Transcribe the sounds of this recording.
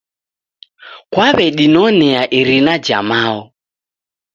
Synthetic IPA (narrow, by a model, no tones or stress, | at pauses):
kwaβɛɗinɔnɛaʔiɾinad͡ʒa̰maɔ